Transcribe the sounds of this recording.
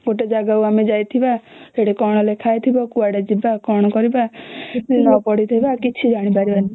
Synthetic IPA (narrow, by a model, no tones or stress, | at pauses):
ɡoʈed͡ʒaɡauamed͡ʒajt̪ʰibad͡ʒeɽekɔɽ̃ɔlekʰajt̪ʰibɔkuaɽed͡ʒibakɔɽ̃ɔkɔɾibatinɔpɔɽit̪ʰɔjbakit͡ʃʰid͡ʒaɽ̃ipaɾiban